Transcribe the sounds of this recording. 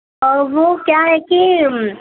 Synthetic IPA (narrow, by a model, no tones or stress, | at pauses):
ɔʋokjaɦɛki